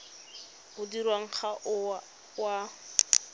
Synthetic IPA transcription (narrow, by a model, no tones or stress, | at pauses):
ʊdirwaŋ̩χaʔʊ | wa